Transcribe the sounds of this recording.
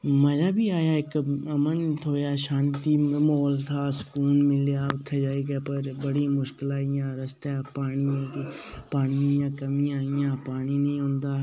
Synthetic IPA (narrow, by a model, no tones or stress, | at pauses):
məd͡ʒaːbʱiːaːjaːɪkəmənt̪ʰoːjaːʃãːnt̪iːmoːlt̪ʰaːsə̥kuːnmɪljaːʊt̪ʰːed͡ʒaːiɡepəɾbəɽiːmʊʃkɪlaːɪjãːɾəst̪aːpaːɽ̃iːãːt̪iːpaːñiãːkəmĩaːɪjãːpaːniːnĩːɦʊ̃nd̪aː